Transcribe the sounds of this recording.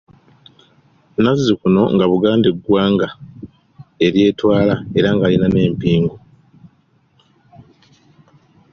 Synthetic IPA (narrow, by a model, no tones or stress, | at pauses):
nazːikuno̞ŋɡaβuɡaːndeɡwaːŋɡa | e̞ɾje̞ːtwaːlae̞ɾaŋɡalinane̞ːmpiːŋɡo